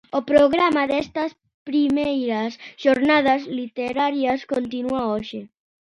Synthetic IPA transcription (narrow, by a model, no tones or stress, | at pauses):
opɾoɣɾamaðɛst̪as | pɾimɛejɾasʒ̥oɾnað̞azlit̪eɾaɾjaskont̪inuaoʃe